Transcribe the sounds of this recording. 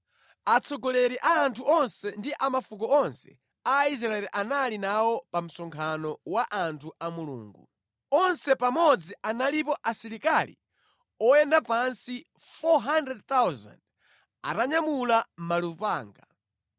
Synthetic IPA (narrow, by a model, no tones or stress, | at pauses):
at͡sʰɔɡɔlɛɾiʔaːntʰuɔnsɛndiʔamafukɔɔnsɛ̰ | ais̬ɾaɛliʔanalinawɔpam̩sɔŋkʰanɔwaʔantʰuʔamulṵːŋɡṵ | ɔnsɛpamɔd͡ziʔanalipɔʔasiɾikalḭ | ɔjɛndapansi | fɔɦandɾɛd̚t̪awza̰nd | a̰taɲamulam̩malupaːŋɡa